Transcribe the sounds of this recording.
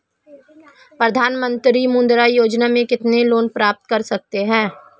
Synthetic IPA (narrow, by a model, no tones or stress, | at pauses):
pɾəd̪ʱaːnmə̃nt̪ɾimʊ̃nd̪ɾajoːd͡ʒnamẽkɪt̪neloːnpɾaːp̚t̪̚kɐɾsɐk̚t̪eɦɛ̃ː